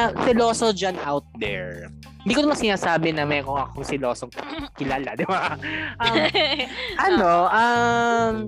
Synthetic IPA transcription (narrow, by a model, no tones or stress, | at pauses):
ɐsɪloːsod͡ʒɐnʔawt̪̚d̪ɛ̰ɹ | ɪnd̪iːkonɐmɐŋsɪnaːsaːbɪnɐmɛːkoŋɐkoŋsɪlo̞ːsoŋkɪlaːlad̪ɪbaʔɐm | ʔɐno̞ʔɐm